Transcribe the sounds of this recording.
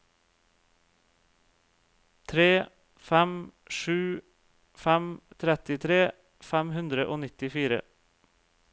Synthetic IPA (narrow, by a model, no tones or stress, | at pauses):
t̪ʰɾeː | fæm | ʃʉː | fæmt̪ʰɾɛt̪ɪt̪ʰɾeː | fæmhʉnd̪ɾəʔoːnɪt̪ɪfiːɾə̰